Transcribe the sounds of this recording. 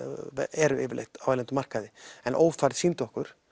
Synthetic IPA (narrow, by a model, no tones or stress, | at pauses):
ɛɾʏɪːvɪɾlḛxt̪avaːlɛnt̪ʏmar̥kaðɪɛnʔoːwfaɾðsint̪ɔhkʏɾ̥